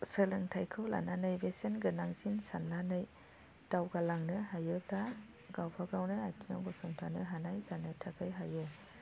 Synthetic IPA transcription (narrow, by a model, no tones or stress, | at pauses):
sɯlɯŋtʰajkʰɯwla̰nanɯjbesenɡɯnaŋzinsanːanɯj | d̥awɡalaŋnɯhajɯbla | ɡawpʰaɡawnɯatʰiŋa̰wɡɔsɔŋtʰanɯɦanajzanɯtʰakʰɯjɦajɯ